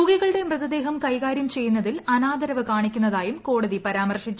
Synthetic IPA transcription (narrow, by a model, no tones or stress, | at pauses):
uːɣiɣɐɭɨɽe̞mrɨðɐd̪e̞ːɦɐmkɐjɣaːɾjɐmt͡ɕe̞jːunːɐðilɐnaːd̪ɐɾɐʋɨkaːɳikʲːunːɐðaːjumko̞ːɽɐðipɐɾaːmɐrʂit͡ɕːu